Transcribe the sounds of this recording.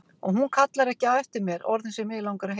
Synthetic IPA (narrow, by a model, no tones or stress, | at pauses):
ɔɣɦunkʰat̪laɾɛhcɪaðɛft̪ɪɾmjɛɾɔ̰ɾðɪnsjɛɾmɪːðɪlawŋkaɾaɦ